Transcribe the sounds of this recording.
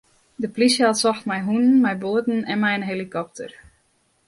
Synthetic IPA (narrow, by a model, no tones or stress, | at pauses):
dəplisjatsɔxtmɛjɦunənmɛjboədn̩ɛnmɛjənɦelikɔp̚tʰə̰r